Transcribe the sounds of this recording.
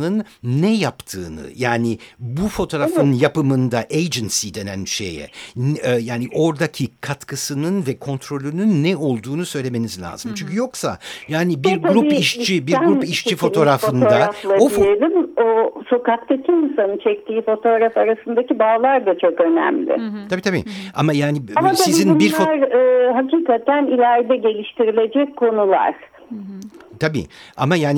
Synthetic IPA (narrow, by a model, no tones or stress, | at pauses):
ɯnːɛjapt̪ʰɯːnɯ̰jaːnibufo̞t̪ʰo̞ːɾafɯnjapɯmɯnd̪aʔejd͡ʒinsid̪e̞næ̰nʃḛjɛ̰nːjaːniʔo̞ɾd̪acʰikʰat̪kʰɯsɯnɯnvɛkʰo̞nt̪ʰɾo̞lʲynynːɛo̞lˠd̪uːnusø̞jlʲe̞me̞nizlʲa̰ːzɯmt͡ʃʰyɲcʰyjo̞ksa̰jaːnibiɾɡ̪ɾupiʃt͡ʃibiɾɾpiʃt͡ʃʰifo̞t̪ʰo̞ɾafɯnd̪afˠaoifjelʲimoso̞kakt̪ʰacʰiːnsanɯt͡ʃʰɛk̚t̪ʰiːfo̞t̪ʰo̞ɾafaɾasɯnd̪acibaːlˠaɾd̪at͡ʃʰo̞kø̞næ̰mlʲɪ̰t̪ʰabiːt̪ʰabḭa̰majaːniamat̪sʰaizinbiɾfoaɾːɦaciːkat̪ænilʲæɾd̪ɛɟe̞lʲiʃt̪ʰiɾilʲe̞d͡ʒɛkkʰːo̞nulˠa̰ɾ̥ | t̪ʰabḭa̰majaːn